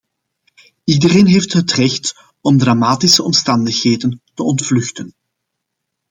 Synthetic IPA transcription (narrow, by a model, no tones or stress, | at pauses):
idəreːnɦeːftɦətrɛxt | ɔmdramaːtisəɔmstɑndəxheːdəntəɔntflɵxtən